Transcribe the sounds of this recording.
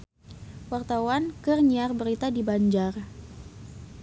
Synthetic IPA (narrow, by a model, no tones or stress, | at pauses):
wart̪awankərɲiarbəɾit̪adibaɲd͡ʒar